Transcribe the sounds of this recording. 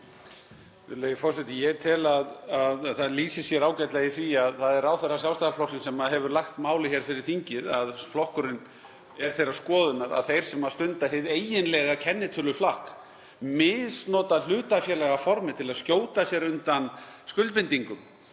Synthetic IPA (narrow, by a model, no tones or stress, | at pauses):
ɪleːjʏfɔrsɛt̪ɪjɛt̪ʰɪlaðaðθaðliːsɪsjɛɾaːwcɛt̪lɛjɪθviaðθaðɛɾawθɛjɾːasjawlst̪aɣlflɔksɪnsɛmaðɦɛvʏɾlaxt̪maːwlɪçɛɾ̥fɪɾɪɾ̥θiɲcɪðaðflɔhkʏɾɪn | ɛɾ̥θejɾḁskɔːðʏnaɾa̰ðθejɾ̥sɛmaðst̪ʏnt̪aɦeðeːjɪnlɛɣacʰɛnːɪt̪ʰʏlʏflahk | mɪsnɔːt̪aðl̥ʏːt̪afjɛɾlɛɣafɔɾmɪt̪ʰɪlaðscoːwt̪asjɛɾʏnt̪anskʏlt̪̚pɪnt̪iŋkʏm